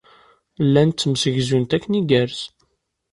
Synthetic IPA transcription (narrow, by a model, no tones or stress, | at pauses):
lːænt̪ːmsəʝzunt̪ækːəniɡæɾz